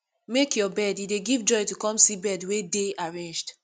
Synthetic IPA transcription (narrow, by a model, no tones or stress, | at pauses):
mekjɔbɛdideɡivd͡ʒɔjtukɔ̃msibɛdwedeaɹẽnd͡ʒd